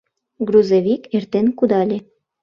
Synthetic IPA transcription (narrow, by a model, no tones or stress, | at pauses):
ɡɾuzeβʲikert̪enkud̪ɑlʲe